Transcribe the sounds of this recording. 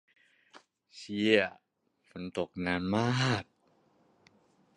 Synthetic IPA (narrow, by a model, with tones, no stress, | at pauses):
si˧ə˩ | fo˨˦nt̪o˨˩k̚naː˧˥nmaː˥k̚